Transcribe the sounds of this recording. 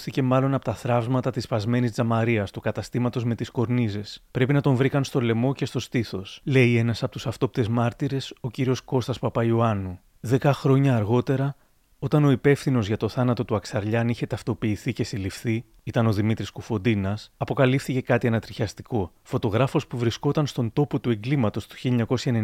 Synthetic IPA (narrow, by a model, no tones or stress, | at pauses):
θice̞mɐlo̞nɐpo̞t̪ɐθɾɐvzmɐt̪ɐt̪ispɐzme̞nizd͡zɐmɐɾiɐst̪ukɐt̪ɐst̪imɐt̪o̞zme̞t̪isko̞ɾnizespɾe̞pinɐt̪o̞ɱvɾikɐnst̪o̞le̞mo̞ce̞st̪o̞st̪iθo̞sle̞ie̞nɐsɐpo̞t̪usɐft̪o̞pit̪e̞zmɐɾt̪iɾe̞so̞ciɾio̞sko̞st̪ɐspɐpɐiuɐnu | ðe̞kɐxɾo̞ɲɐːɾɣo̞t̪e̞ɾɐ | o̞t̪ɐno̞ipe̞fθino̞zʝɐt̪o̞θɐnɐt̪o̞t̪uɐksɐɾʎɐniçe̞t̪ɐft̪o̞piːθice̞silifθi | it̪ɐno̞ðimit̪ɾiskufod̪inɐsɐpo̞kɐlifθice̞kɐt̪iɐnɐt̪ɾiçɐst̪iko̞ | fo̞t̪o̞ɣɾɐfo̞spuvɾisko̞t̪ɐnst̪o̞nt̪o̞po̞t̪ue̞ŋɡlimɐt̪o̞st̪u̥çiliɲɐko̞sçɐene